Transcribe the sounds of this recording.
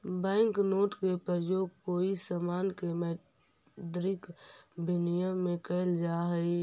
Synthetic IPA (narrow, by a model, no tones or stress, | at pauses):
bɛ̃ːŋknoːʈkepɾəɾəjoːɡ̚koːisamaːnkemɛ | d̪ɾɪkbʱɪnijəmːẽkəld͡ʒaːɦəi